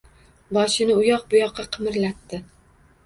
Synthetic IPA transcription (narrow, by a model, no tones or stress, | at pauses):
bɒʃɪnɪʊjɒq̚bʊjɒqːɑqʰɨmɪɾlat̪ːɪ